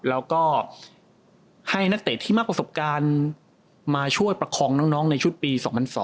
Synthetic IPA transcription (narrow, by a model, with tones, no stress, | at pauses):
lɛː˦˥wkɔː˥˩ | ha˥˩jna˦˥k̚t̪eː˨˩t̪ʰːiː˥˩ma˦˥k̚pɾa˧so˨˩p̚kaː˧n | maː˧t͡ɕʰu˥˩əjpɾa˧kʰɔː˧ŋnɔː˦˥ŋnɔː˦˥ŋna˧jt͡ɕʰu˦˥t̪̚piː˧sɔː˩˦ŋpʰa˧nsɔ̰ː˩˦ŋ